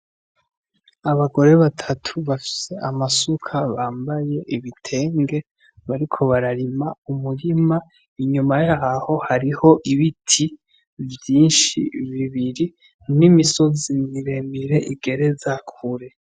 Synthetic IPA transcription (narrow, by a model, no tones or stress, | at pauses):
aβaɡo̞ɾe̞βatʰatʰuβafi̥se̞ʔamasukʰaβaːmbaje̞ʔiβitʰe̞ːŋɡe̞ | βaɾikʰo̞βaɾaɾimaumuɾima | iɲumajaɦaho̞haɾiho̞ʔiβitʰi | vjiːnʃḭβiβiɾi | nimiso̞zimiɾe̞miɾe̞ʔiɡe̞ɾe̞zakʰuɾe̞